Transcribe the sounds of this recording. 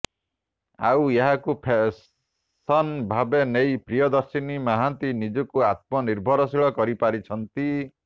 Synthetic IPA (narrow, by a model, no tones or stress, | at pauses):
a̰weɦakupʰe | sɔnbʱabenejpɾijɔd̪ɔɾsinimaɦant̪inid͡ʒɔkuat̪̚mɔniɾbʱɔɾɔsiɭɔkɔɾipaɾit͡ʃʰɔnt̪i